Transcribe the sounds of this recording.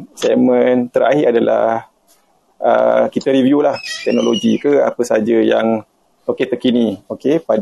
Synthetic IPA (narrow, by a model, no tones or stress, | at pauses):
sɛmə̃nt̪əɾa̰ɦiʔadala̰h | ə̰kit̪əɾivjulaht̪ɛk̚noloɡikəa̰pəsad͡ʒajaŋ | oket̪əkiniokepad